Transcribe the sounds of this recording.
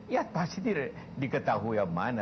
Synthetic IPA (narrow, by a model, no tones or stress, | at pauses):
jat̪̚past̪it̪iɾ | dikət̪aɦujamana